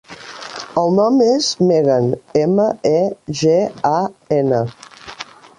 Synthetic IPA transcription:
əlˠnɔmezmeɣənɛməɛʒeaɛnə

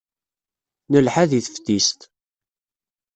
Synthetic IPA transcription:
nəlħaðiθə̥ft̪ist̪

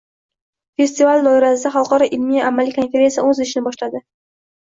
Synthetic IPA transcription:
fe̞st̪ivald̪ɒɪɾasɪd̪aχalˠqɒɾɒʔɪlmijamːalikʰonfʲeɾe̞nsijaɵzɪʃɪnɪbɒʃlad̪ɪ

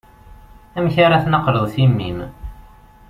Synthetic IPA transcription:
æmçaɾaθnəqːləðˤθimːḭm

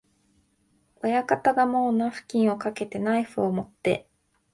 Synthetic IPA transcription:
ojakat̪aɡamo̞ːnaɸɯ̟̥kʲĩɰ̃o̞kake̞t̪e̞naiɸɯomo̞t̪ːe̞̰

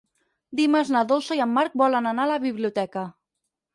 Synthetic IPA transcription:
d̪iməznaðolˠsəjəmːaɾk̚bɔlənanaləβiβliut̪ɛkə

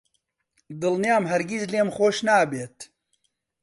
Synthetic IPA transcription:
d̪ɨlnijaːmɦɛɾɡizleːmxoːʃnaːbeːt̪

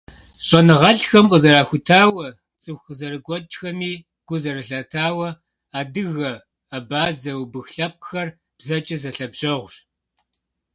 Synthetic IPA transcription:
ɕʼɔnɨʁɐɬxɐmqʼəzɐɾaːxʷʊtʰaːwɐ | t͡sʼɨxʷəzɐrɨɡʷɔt͡ʃʼxɐmiː | ɡ̥ʷʊzɐrɨɬɐtʰaːwɐ | aːdɨɣɐ | abaːzɐwbɨxɬɐp̚ʼxɐr | b̥zɐt͡ʃʼɐzɐɬɐbʑɐʁʷɕ

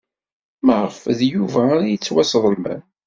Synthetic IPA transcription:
məʁəfðjuvæaɾajət͡sːwæsðˤəlmæ̰n

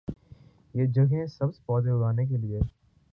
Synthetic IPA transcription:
jeːd͡ʒɐɡẽsɐbspɔːd̪eʊɽaːnek̬elie

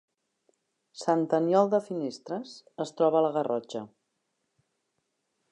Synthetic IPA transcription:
sant̪ənjɔlˠd̪əfinest̪ɾəsəst̪ɾɔβələɣərɔd͡ʒə

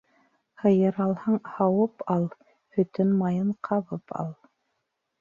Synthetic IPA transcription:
hɤ̆jɤ̆ɾɑlˠhɑɴhɑwɤpɑlˠ | hɵ̆t̪ɵnmɑjɤɴqʰɑβɤpʰɑ̰lˠ

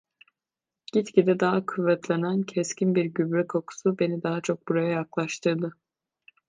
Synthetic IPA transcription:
ɟ̥it̪cid̪ɛd̪aɦakʰuvːɛt̪ʰlʲenæncʰɛscinbiɾɟybɾɛkʰo̞kʰu̥sube̞nid̪aɦat͡ʃʰo̞k̚buɾajajaklˠaʃt̪ʰɯɾd̪ɯ

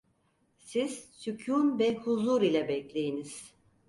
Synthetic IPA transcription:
siz̥sycʰunvɛhuzuɾilʲɛbɛclʲejiniz̥

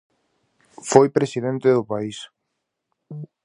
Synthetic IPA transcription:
fojpɾesiðent̪eðʊpais

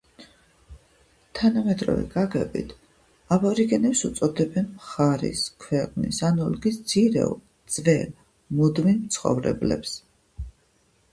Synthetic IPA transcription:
t̪ʰanamɛd̪ʼɾɔ̰vɛ̰ɡaɡɛbḭt̪ʰ | abɔɾiɡɛnɛpsut̪sʼɔd̪ɛbɛnmχaɾḭskʰwɛqʼnḭsanɔlɔɡisd̪z̥iɾɛ̰u | d̪z̥vɛl | mud̪minmt̪sʰχɔ̰vɾɛ̰blɛ̰ps

